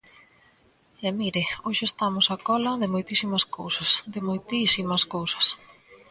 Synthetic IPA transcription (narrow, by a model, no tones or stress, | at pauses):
ɛmiɾɪoʃɪest̪amʊsakɔlɐðɪmojt̪isimɐskowsɐsðɪmojt̪isimɐskowsɐ̥s